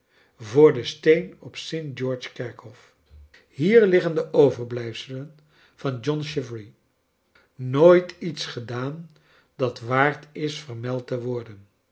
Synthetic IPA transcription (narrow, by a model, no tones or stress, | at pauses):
vʊːɹdəstejnɔpsejnt̚d͡ʒɔːɹt͡ʃkɛɹkɔf | hiːɹlɪχəndəʔowvəɹblɛjfsələn | v̥ɑnd͡ʒɔnʃɪvɹi | noːjtitsχədaːn | dɑtʋaːɹtʰɪsfəɹmɛlˠtəʋɔɹdən